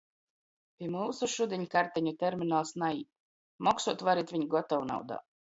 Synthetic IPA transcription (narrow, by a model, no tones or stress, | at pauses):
pʲiɛmuːsuʃud̪ʲiɲkaɾt̪ɛɲut̪ɛɾminalˠsnajiː | mɔksuɔt̪vaɾit̪vʲiɲɡɔt̪ɔwuna̰wd̪a̰ː